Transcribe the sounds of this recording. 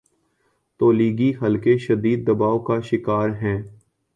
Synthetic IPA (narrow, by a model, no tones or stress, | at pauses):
t̪oːliːɡiɦɐlkeʃɐd̪iːd̪̚ːɐbaːokaʃɪkaːɾɦɛ̃ː